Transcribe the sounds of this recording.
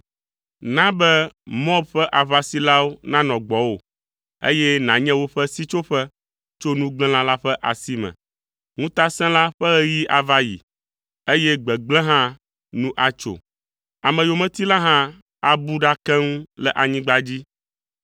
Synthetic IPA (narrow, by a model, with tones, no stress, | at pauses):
nã˦bɛ˦mɔ̃˦bɸɛ˦ʔa˨βa˦si˦la˦wo˦nã˦nɔ̃˨ɡ͡bɔ˨wo˨ | ḛ˦jɛ˦nã˨ɲɛ̃˦wo˦ɸɛ˦si˦t͡ʃo˦ɸɛ˦ | t͡ʃo˦nũ˦ɡ͡blɛ̃˦lã˦la˦ɸɛ˦ʔa˨si˦mɛ̰̃˨ | ŋũ˦t̪a˦sɛ̃˦la˦ɸɛ˦ɣɛ˦ji˦ʔa˨va˦jḭ˨ | e˦jɛ˦ɡ͡bɛ˨ɡ͡blɛ̃˦ɦã˦ | nũ˦ʔa˦t͡ʃo̰˨ | a˨mɛ̃˨jo˨mɛ̃˨t̪i˦la˦ɦã˦ | a˨bu˦ɖa˦kɛ˦ŋũ˦lɛ˦ʔa˨ɲĩ˦ɡ͡ba˦d͡ʑi˦